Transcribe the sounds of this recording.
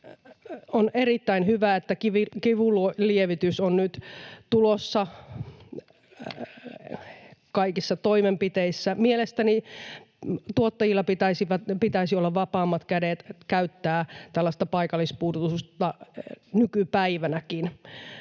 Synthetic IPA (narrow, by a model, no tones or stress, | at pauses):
onerit̪ːæinhyʋæet̪ːækiʋikiʋullieʋit̪ysonnyt̪t̪ulosːɑ | kɑikisːɑt̪oimempit̪eisːæmielest̪æni | t̪uot̪ːɑjilːɑpit̪æisiʋæt̪pit̪æisiolːɑʋʋɑpɑːmːɑt̪kædet̪kæyt̪ːæːt̪ælːɑst̪ɑpɑikɑlːˑispuːrt̪ust̪ɑnykypæiʋænækin